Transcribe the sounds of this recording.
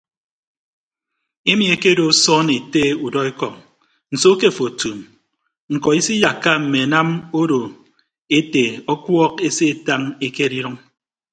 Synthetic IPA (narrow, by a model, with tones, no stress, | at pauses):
e˦mi˨e˨ke˦do˨u˦sɔː˦ne˨te˦u˨dɔ˦e˦kɔ˨ŋ̚ | n̩˨so˦ke˦˨fo˨tu˨m | ŋ̩˨kɔ˨i˦si˦ja˨kːa˦m̩˨me˨na˦mo˦ɾo˨ | e˦te˨ɔ˦kwɔ˦ke˦se˦˨ta˦ŋe˦ke˦ɾi˦ɾɨ˦ŋ